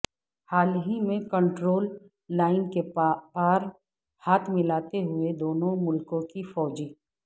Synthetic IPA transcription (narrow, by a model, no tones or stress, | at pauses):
haːlɦimẽkə̃ɳʈɾoːlː | aːɪnkepaːɾ | haːt̪ʰmɪlaːt̪eɦʊed̪oːnõmʊlkõkifɔːd͡ʒiː